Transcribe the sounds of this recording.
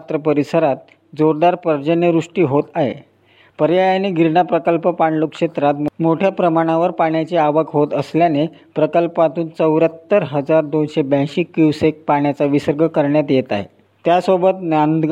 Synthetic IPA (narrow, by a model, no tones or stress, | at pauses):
t̪ɾəpəɾisəɾat̪̚ | d͡zoɾd̪aɾpəɾd͡ʑənjəɾuʂʈiːɦot̪aɦḛ | pəɾjajaneɡʱiɾɳapɾəkəlpəpaɳlokʂet̪ɾat̪mmoʈʰjapɾəmaɽ̃ãʋəɾpaɳjat͡ɕeaʋəkɦot̪əsljanepɾəkəlpat̪uːnt͡səwɾjat̪ːəɾɦəd͡zaɾd̪onɕebə̃jɕiːkiwsek̚paɳjat͡saʋisəɾɡʱəkəɾɳjat̪jet̪aɦḛ | t̪jasobət̪nand̪ɡ